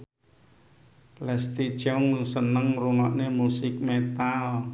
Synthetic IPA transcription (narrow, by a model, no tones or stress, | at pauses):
lɛst̪i̥ʒ̥ɔŋsənəŋruŋɔʔnemusɪk̚met̪al